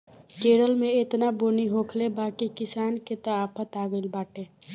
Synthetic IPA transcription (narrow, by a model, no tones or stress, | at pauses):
d͡ʒeːɽəlmẽet̪naboːniɦoːkʰlebaːkikɪsaːnket̪əaːpʰət̪aːɡəɪlbaːʈeː